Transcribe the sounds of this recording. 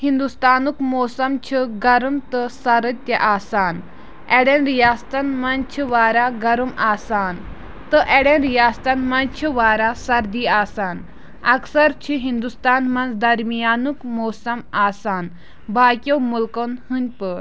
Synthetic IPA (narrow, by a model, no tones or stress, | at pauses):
hind̪ust̪aːnukmoːsɐmt͡ʃʰiɡɐɾumt̪ɨsɐɾɐt̪jɐʔaːsaːn | eɽenɾijaːst̪ɐnmɐnt͡ʃʰiʋaːɾaɡɐɾumaːsaːn | t̪ɨʔeɽenɾijaːst̪ɐnmɐnt͡ʃʰiʋaːɾasɐɾd̪iːaːsaːn | ɐksɐɾt͡ʃʰiɦind̪ust̪aːnmɐnzd̪ɐɾmijaːnukmoːsɐmaːsaːn | bʱaːkʲjoːmulkonhɨnʲpəɾ